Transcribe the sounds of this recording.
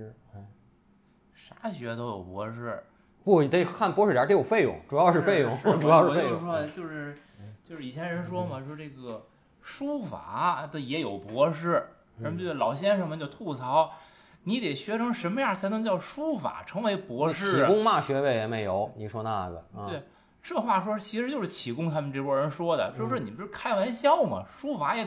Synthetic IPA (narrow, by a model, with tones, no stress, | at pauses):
ʂa˥ɕɥɛ˧˥t̪o˥ʊjo̰˨˩ʊpwɔ˧˥ʂɻ̩˥˩ | pu˥˩t̪e˥˩kʰa˥˩npwɔ˧˥ʂɻ̩˥˩ja˧˥ʈ͡ʂe˥jo˨˩fe˥˧ɪjʊ̰˨˩˦ŋʈ͡ʂu˨˩jɑ˥˧ʊʂɻ̩˥fe˥˧ɪjʊ̰˥˧˩ŋ˩ʈ͡ʂu˨˩jɑ˥˧ʊɻe˥˧˥ʂwɔ˥˧t͡ɕjo˥˧ʊʂɻ̩˥˩ | t͡ɕjo˥˧ʊʂɻ̩˥˩i˨˩t͡ɕʰɛ˧˥nɻə˧˥nʂwɔ˥mɐ˨wɔ˥ʈ͡ʂe˥˩ɡə˩ | ʂu˥fa̰˨˩˦d̪ə˧jɛ˧˥jo˨˩ʊpwɔ˧˥ʂ̬ɻ̩˥˩˧ | lɑ˨˩ʊɕjɛ˥nʂɤ˥˩ŋmə˨t͡ɕjo˥˧ʊt̪ʰu˥˩t͡sʰɑ˧˥ʊ | ni˧˥t̪ɛ˨˩ɪɕɥɛ˧˥ʈ͡ʂʰɤ˧˥ŋʂə˧˥nmə˧ja˥˩t͡sʰa˧˥ɪnɤ˧˥ŋt͡ɕjɑ˥˩ʊʂu˥fa̰˨˩ʈ͡ʂʰɤ˧˥ŋwe˧˥ɪpwɔ˧˥ʂɻ̩˥˩˨kʊ˥ŋma˥˩ɕɥɛ˧˥we˧˩ɪjɛ˨˩me˧˥ɪjo˧˥ʊni˨˩ʂwɔ˥na̰˥˩ɡə̰˩twe˥˩ɪ | ʈ͡ʂɤ˥˧xwa˥˩ʂ̬wɔ˥ɻ̩˥˩t͡ɕʰi˧˥ʂɻ̩˧t͡ɕjo˥˧ʊʂɻ̩˥˩t͡ɕʰi˨˩kʊ˥ŋt̪ʰa˥mə˨nʈ͡ʂɤ˥˩kʰwɔ˥˧ɻə˧˥nʂwɔ˥d̪ə̰˨jʂɻ̩˥˩ni˨˩pʂ̩˥˩kʰa˥ɪwa˧˥nɕjɑ˥ʊmɐ̰˨˩ʂu˥fa˧˥jɛ˧˥